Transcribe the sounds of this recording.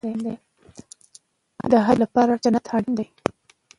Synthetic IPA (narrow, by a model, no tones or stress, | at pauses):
end̪aj | d̪əɦalapɑɾat͡ʃanat̪ʰɑɽənd̪aj